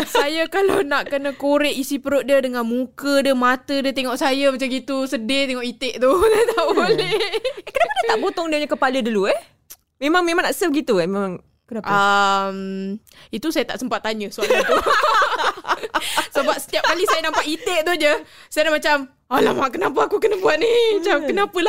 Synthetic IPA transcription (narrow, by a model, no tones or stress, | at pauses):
sajakalawnaʔkənə̃koɾɛʔisipəɾʊʔ̪̚diədəŋanmukədəmat̪ədiət̪eŋɔʔsajamat͡ʃaɡit̪usədet̪eŋɔʔit̪eʔt̪ʊlat̪abolɛekənapaat̪aʔʔbot̪ɔŋdiəɲakəpalədəluɛh | memaŋmẽmaŋnaʔsəpɡit̪uɛhmemãŋ | kənapʔəm | it̪usajat̪a̰ʔsəmpat̪ːaɲəsualat̪u | səbap̚sə̥t̪iapkalisajanampaʔit̪eʔt̪ʊd͡ʒəsajadamat͡ʃam | alahmaʔkənap̬əakukənəbuat̪̚nihmat͡ʃamkənapəla